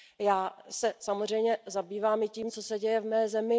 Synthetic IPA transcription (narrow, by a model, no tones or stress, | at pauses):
jaːsɛsamozr̝ɛjmɲɛzabiːvaːmɪciːmt͡so̞sɛɟɛjɛvmɛːzɛmɪ